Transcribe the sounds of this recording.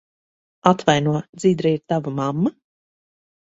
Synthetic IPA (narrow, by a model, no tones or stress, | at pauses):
at̪vajnuɔd̪ziːd̪ɾaiɾt̪avamamːa